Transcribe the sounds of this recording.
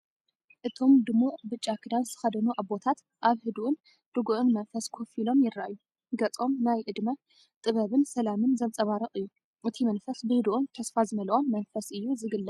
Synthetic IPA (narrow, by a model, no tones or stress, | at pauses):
ʔɨt̪ʰo̞md̪ɨmuʔbɨt͡ʃʼːakʰɨd̪anzɨt̪ʰɨ̥xɐd̪ɐnuʔabbo̞t̪ʰat̪ | ʔaβhɨd̪uʔʊn | d̪̥ɨɡuʔɨnmɐnfɐskʰofilo̞mjɪɾːa̰ʔjːu | ɡɐt͡sʼo̞mnajʔɨd̪mɐ | t̪ʼɨβɐβɨnsɐlamɨnzɐnt͡sʼɐβaɾɐχʼɨjːu | ʔɨt̪ʰimɐnfɐsbɨhɨd̪uʔunt̪ʰɐsfazɨmɐlʔo̞mːɐnfɐsɨjːuzɨɡɨlːɐ